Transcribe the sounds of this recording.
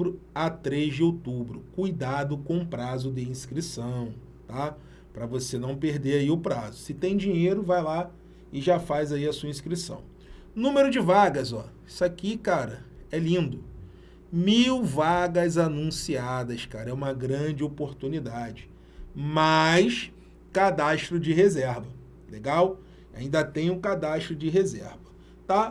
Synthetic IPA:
ɾʊ | at̪ɾezd͡ʒɪowt̪ubɾʊ̰kujd̪ad̪ʊkõpɾazʊd̪ɪĩskɾisɐ̃w̃ | t̪a | pɾɐvosenɐ̃w̃peɾd̪eɾaiʊpɾazʊsɪt̪ẽj̃d͡ʒĩɲejɾʊvajla | ɪʒafajzaiɐsuɐĩskɾisɐ̰̃w̃ | nũmeɾʊd͡ʒɪvaɡɐzɔisakikaɾɐɛlĩnd̪ʊ | miwvaɡɐzanũsiad̪ɐskaɾɐɛũmɐɡɾɐ̃d͡ʒɪopoɾt̪unid̪ad͡ʒɪ | majs | kad̪aʃt̪ɾʊd͡ʒɪɦezɛɾvɐ | leɡaw | a̰ĩnd̪ɐt̪ẽj̃ʊ̃kad̪aʃt̪ɾʊd͡ʒɪɦezɛ̰ɾvɐ | t̪a

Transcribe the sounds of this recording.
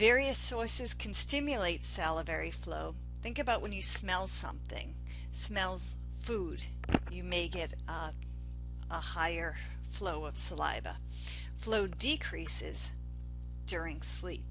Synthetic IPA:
vɛɹiɨsɔɹsɨz̥kʰɨ̃n̩stɪ̃mjɨleɪtsælˠəvɛɹiflo̰ʊ | θɪ̃ŋkɨbaʊʔ̚wɨ̃njɨsmɛlˠsʌ̰̃mθɪ̰̃ŋ | smɛlˠ | fud | jɨmeɪɡɛɾ | əhaɪə˞ | floʊʌv̥səla̰ɪvə̰ | floʊdɨkʰɹ̥isɪ̰z̥ | d̥ʊɹɪ̃ŋslip̚

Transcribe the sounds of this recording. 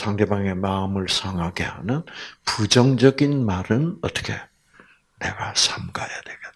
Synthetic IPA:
sʰaŋde̞baŋe̞maɯmɯɭsʰaŋɦaɡeha̰nɯnpud͡ʑʌŋd͡ʑʌɡinmaɾɯnʌt͈ʌ̥kʰe̞ | ne̞̰ɡasʰamɡajadweɡet

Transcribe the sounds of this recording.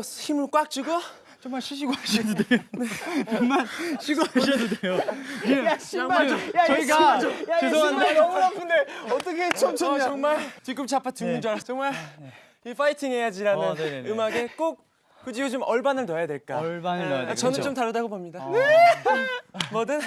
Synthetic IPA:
çimɯɭk͈wak̚t͡ɕ͈uɡo | t͡ɕʌŋmaɭɕʰiɕʰiɡoaɕʰidodejoneʌŋmanɕʰiɡoaɕidodejoeaɕʰiajat͡ɕʌiɡajaesʰoandamuɾapʰɯndeʌt͈ʌkʰet͡ɕot͡ɕʌŋmaɭt͡ɕik͈ɯmt͡ɕapʰatɯŋund͡ʑaɾat͡ɕʌŋmaɭ | ifʰaitʰiŋɦe̞jad͡ʑiɾaɯɯmaɡe̞k͈ok̚ | k͈ɯd͡ʑiɡot͡ɕomʌɭbanɯɭnʌjadwe̞ɭk͈abant͡ɕʌnɯnt͡ɕomtaɾɯdaɡobomɲidane | mʌdɯn

